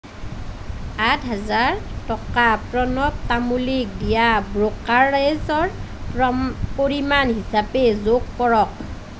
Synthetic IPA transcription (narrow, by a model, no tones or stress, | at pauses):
atɦazaɹtɔkapɹɔnɔp̚tamulik̚dijabɹokaɹazɔɹ | poɹimanɦisapɛzoɡ̚pɔɹɔk̚